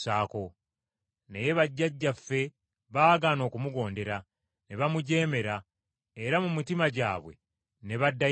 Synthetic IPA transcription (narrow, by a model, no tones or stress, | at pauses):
saːko̞ | nejeβaɟːaɟːafːe̞ | βaːɡaːno̞ːkumuɡo̞ːnde̞ɾa | ne̞βamuɟe̞ːme̞ɾa | eɾamumitimaɟaːβwe̞̰ | ne̞βadːa